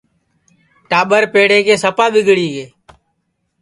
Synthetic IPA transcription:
ʈaːɓəɾpeːɽeːkeːsəpaːbɪɡɽiːɡeː

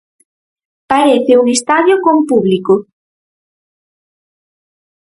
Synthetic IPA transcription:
paɾeθeuŋest̪aðjokompuβliko

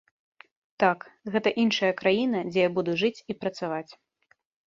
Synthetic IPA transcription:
t̪akɣɛt̪ɐʔinʂɐjɐkɾajin̪ɐd͡zʲɛjabud̪uʐɨt͡sʲipɾɐt̪savat͡sʲ

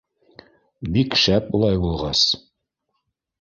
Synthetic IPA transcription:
bikʃæpulˠɑjbulˠʁɑs

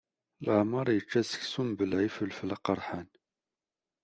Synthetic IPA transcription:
ləʕmɑɾˤjət͡ʃːæsə̥çsumbəlʕifəlfəlɑqɑɾˤħan

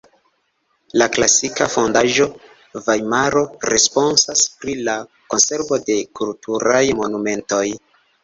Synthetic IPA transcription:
laklasikafo̞ndaʒo̞ | vajmaɾo̞ɾe̞spo̞nsaspɾila | ko̞nse̞ɾvo̞de̞kultʰuɾajmo̞nume̞nto̞j

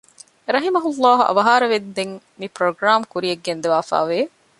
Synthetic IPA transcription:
eɾɐɦimɐɦulːaːɦuʔɐ̰ʋɐɦaːɾɐʋed̪ːeŋ | mipɾoɡɾaːmkuɾieɡːend̪eʋaːfa̰ːʋeː

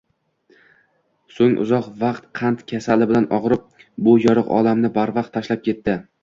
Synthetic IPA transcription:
soŋʔʊ̰zɒqvɑqt̪qʰɑnt̪kʲʰasalɪbɪlanʔɒʁɾɪp̚bʊjɒɾɨqɒ̰lamnɪbaɾvɑq̚t̪ʰːaʃlap̚kʲʰe̞t̪ːɪ

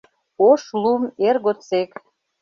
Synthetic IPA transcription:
oʃlumerɣot͡sek

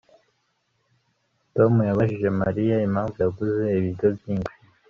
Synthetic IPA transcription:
to̞mujaβaʃiʒe̞maɾijaimaːɱvujaɡuze̞iβiɾɟo̞βjiːnt͡ʃi

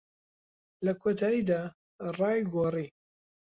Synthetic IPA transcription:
lɐkʰot̪ʰaːjid̪aː | rˤɑːjɡori

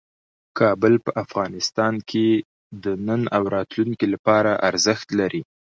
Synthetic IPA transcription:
kʰɑbəlpəʔafɣɑnɪst̪ɑnkʰe | d̪ənənawɾɑt̪luŋkilapɑɾaʔaɾzəxt̪laɾʔi

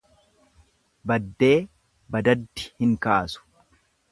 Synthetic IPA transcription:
bɐd̪ːe̞ː | bɐd̪ɐd̪ːɪ̥hɪŋkaːsʊ̥

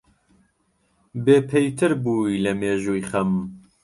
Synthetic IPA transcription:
beːpʰejt̪ʰɨɾbuːiːlɐmeːʒuːjχɐm

